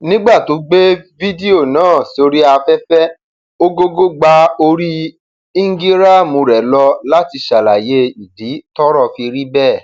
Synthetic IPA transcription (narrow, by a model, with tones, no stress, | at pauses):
nĩ˦ɡ͡ba˦˨to˨˦ɡ͡be˦vi˦de˦o˦˨nãː˦˨si˨˦o˧ɾi˦a˧fɛ˦fɛ˦ | o˦ɡo˦ɡo˦ɡ͡ba˧o˧ɾi˦ | i˦ŋ̩˦ɡi˦ɾa˦˨mũ˧ɾɛ˨lɔ˧la˦ti˧ʃa˨la˨je˦i˨di˨˦tɔ˦ɾɔ˦˨fi˧ɾi˦bɛ˦˨